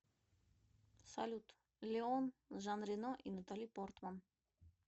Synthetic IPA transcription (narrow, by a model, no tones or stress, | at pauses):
sa̰lʲut̪ | lʲeɔnʒanɾinɔʔinat̪alʲipɔɾt̪man